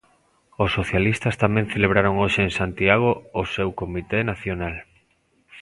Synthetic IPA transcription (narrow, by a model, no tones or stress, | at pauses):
osːoθjalist̪ɐst̪amẽŋθeleβ̞ɾaɾoŋoʃeeŋsant̪iaɣ̞oosewkomit̪enaθjonal